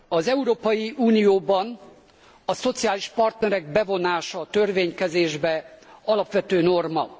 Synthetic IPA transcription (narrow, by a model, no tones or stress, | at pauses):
ɒzɛuɾoːpɒjiʔuːnijoːbɒn | ɒso̞t̪sijaːliʃpɒrt̪nɛɾɛɡ̚bɛvo̞naːʃɒt̪ø̞rveːɲkɛzeːʒbɛɒlɒpʋɛt̪øːno̞rmɒ